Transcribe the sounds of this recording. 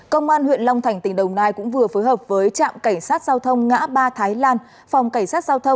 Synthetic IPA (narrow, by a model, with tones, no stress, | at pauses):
kə˧wŋ͡mʔaː˧nhwḭ˧˨nla˧wŋ͡mt̪ʰa˧˩jŋ̟t̪ï˧˩ŋ̟ɗə˨˩wŋ͡mnaː˧jkʊ̰˧˥ŋ͡mvɨ˨˩əfoː˨˦jɦəː˨˩p̚vəː˨˦jt͡ɕa̰ː˧˨mka˧˩ŋ̟saː˦˥t̚zaː˧wt̪ʰə˧wŋ͡mŋa̰ː˧˥ɓaː˧t̪ʰaː˨˦jlaː˧n | fa˨˩wŋ͡mka˧˩ŋ̟saː˦˥t̚z̥aː˧wt̪ʰə˧wŋ͡m